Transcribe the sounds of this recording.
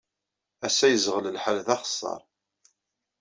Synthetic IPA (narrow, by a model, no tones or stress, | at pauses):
æsæjəzʁələlħalðɑχə̥sˤːɑ̰ɾˤ